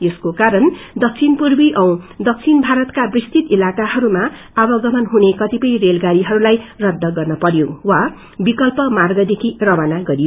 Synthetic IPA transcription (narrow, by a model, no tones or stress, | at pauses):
jeskokaɾʌnd̪ʌk̚t͡sʰinpurbiʔʌw̃d̪ʌk̚t͡sʰinbʱaɾʌt̪kabrist̪ʰit̪ilakaɦʌɾuma | abʌɡʌmʌnɦunekʌt̪ipʌjrelɡaɾiɦʌɾulajrʌd̪ːʌɡʌrnʌpʌɾjowa | bikʌlpʌmarɡʌd̪ekʰirʌmanaɡʌɾijo